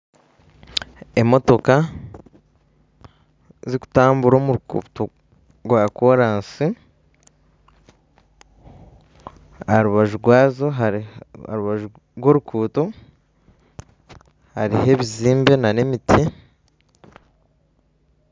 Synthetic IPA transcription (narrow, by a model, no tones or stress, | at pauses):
emo̞to̞ka | ziku̥taːmbuɾo̞muɾukṵːto | ɡwakoɾaːnsi | aɾuβaʒuɾɡwaːzo̞ɦaa̰ɾuβaʒu | ɾɡwo̞ɾukʰuːto | haɾiɦe̞βiziːmbe̞nanemitʰi